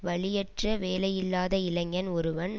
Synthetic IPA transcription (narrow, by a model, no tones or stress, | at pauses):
ʋɐɭɪjɛʈrɐʋeːlɐjɪlːaːðɐɪlɐŋɡɐnɔɾɯʋɐn